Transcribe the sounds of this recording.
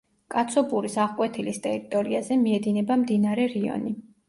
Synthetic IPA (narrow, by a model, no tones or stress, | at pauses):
kʼat̪sʰɔpʼuɾisaʁkʼwɛt̪ʰilist̪ʼɛɾit̪ʼɔɾiazɛmiɛd̪inɛbamd̪inaɾɛɾiɔ̰ni